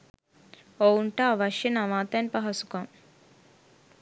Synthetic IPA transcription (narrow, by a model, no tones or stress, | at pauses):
oːuɳʈaɐʋɐʃjɐnɐʋaːt̪anpɐɦɐsu̥kam